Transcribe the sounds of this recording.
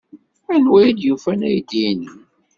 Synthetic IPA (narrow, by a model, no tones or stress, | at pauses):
ænwæjid̪jufænæjd̪ini